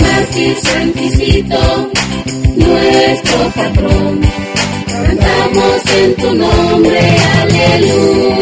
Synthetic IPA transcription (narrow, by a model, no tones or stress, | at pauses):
naskisent̪isit̪o | nwest̪ɾopat̪ɾon | and̪amosent̪unombɾealelu